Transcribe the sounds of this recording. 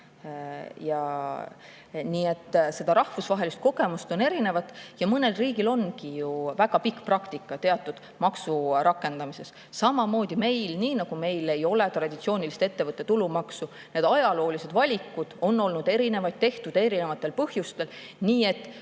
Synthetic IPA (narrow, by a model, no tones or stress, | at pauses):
jɑ | niːe̞t̪ːˑse̞d̪̥ɑɾɑhvusvɑɦe̞list̪̚ko̞ɡ̥e̞must̪o̞ne̞ɾine̞vɑt̪ːˑjɑmɤne̞lriːɡ̥ilo̞nːkijuvæɡ̥ɑpikːˑprɑkt̪ikːˑɑt̪e̞ɑt̪ːˑud̪̥ | mɑksurɑkːˑe̞nd̪ɑmise̞s | sɑmɑmo̞ːd̪̥ʲime̞jlniːnɑɡ̥ume̞jle̞jo̞le̞t̪rɑd̪̥ʲit̪sio̞ːnʲilist̪e̞t̪ːe̞vɤt̪ːˑe̞t̪ulumɑksu | ne̞d̪ɑjɑlo̞ːlise̞d̪vɑlʲikːˑud̪̥o̞nːo̞lnud̪e̞ɾine̞vɑjt̪̚t̪e̞ht̪ud̪̥e̞ɾine̞vɑt̪ːˑe̞lpɤhjust̪e̞l | niːe̞t̪ːˑ